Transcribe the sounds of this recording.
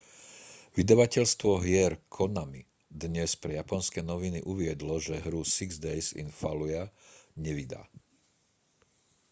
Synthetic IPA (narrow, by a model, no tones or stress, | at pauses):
ʋid̪aʋacɛʎst̪ʋɔɦɪɛɾkʰɔnami | d̪ɲɛspɾɛjapɔnskɛnɔʋiniʔuʋɪɛd̪lɔʒɛɦɾusiɡzd̪ɛjsḭnfalujaɲɛʋid̪a̰ː